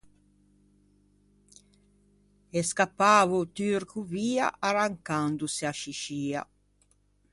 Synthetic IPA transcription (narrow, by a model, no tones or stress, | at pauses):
eskapːaːvut̪yrkuviːa̰ʔaɾaŋkand̪usiaʃiʃiːa̰